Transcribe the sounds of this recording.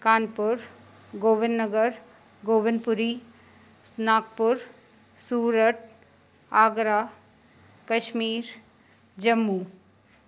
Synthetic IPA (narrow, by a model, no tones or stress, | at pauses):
kaːnpʊɾ | ɡoːʋɪnnəɡəɾ | ɡoːʋɪnpʊɾiː | snaːk̚pʊɾ | suːɾəʈ̚ | aːɡɾaː | kɐʃmiːɾ | d͡ʒɐmːuː